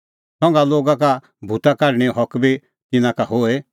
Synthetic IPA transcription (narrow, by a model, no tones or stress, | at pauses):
sɔ̃ŋ̆ɡaloːɡaka | bʱut̪akɐɾɽ̃ɛɦɔkbi | t̪ɪnãkaɦoːe